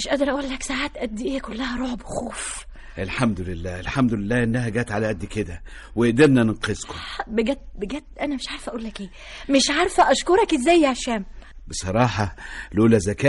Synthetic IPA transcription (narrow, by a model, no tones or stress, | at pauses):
meʃʔæːʔd̪ɑɾˤʔæʔuːlːæksaʕaːt̪ʔæd̪ːiʔeːkolːæhæɾˤoʕbwexoːf | ʔelħamd̪ʊlelːæːʔelħamd̪ʊlelːæːʔenːæɦæɡæːt̪ʕalæʔæd̪ːked̪æ | weʔd̪eɾnænenqezkobeɡæːt̪̚beɡæːt̪̚ʔænæmeʃʕaɾˤfʔæʔuːlːækʔeː | meʃʕɑɾˤfæʔæʃkoɾˤɑkʔezːæjːʕaʃæːmbesˤɑɾˤɑːħɑlʔuːlæzækæː